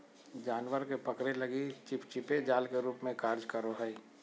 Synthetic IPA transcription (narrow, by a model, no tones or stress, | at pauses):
d͡ʒaːnwəɾkepəkɾeləɡit͡ʃɪpt͡ʃɪped͡ʒaːlkeɾuːpmẽkəɾd͡ʒkəɾoɦəi